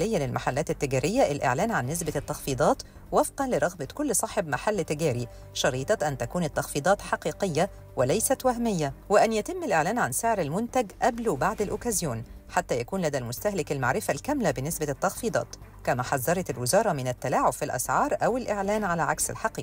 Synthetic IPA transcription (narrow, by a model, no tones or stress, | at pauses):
lɪjːælɪlmaħalːæːt̪ɪt̪ːɪɡæːɾʔɪjːæʔɪlʔḛʕlæːnʕanːɪs̬bat̪ːɑxfiːd̪ˤɑːt̪ | wɑfqɑnlɪɾˤɑɣbɑkʊlːsˤɑħebmaħalːt̪ːɪɡæːɾi | ʃɑɾiːt̪ˤɑʔænt̪ækuːnɪt̪ːɑxfiːd̪ˤɑːt̪ħɑqiːqɪjːa | wɪlæjsæt̪wæɦmɪjːæwɪʔænjæt̪ɪmːɪlʔeʕlæːnʕanseʕɾɪlmʊnt̪æɡʔæblubaʕd̪ɪlʔʊkæːzjuːnħat̪ːæjækuːnlæd̪ælmʊst̪æhlɪkɪlma̰ʕɾɪfælkæmlæbɪnːɪsbæt̪ːɑxfiːd̪ˤɑ̰ːt̪ | kæmæħɑzˤːɑɾˤɑt̪ɪlwɪzɑːɾˤɑmɪnæt̪ːælaːʕobfilʔæ̰sʕɑːɾˤʔæwɪlʔeʕlæːnʕalæʕaksɪ̰lħɑqiːqi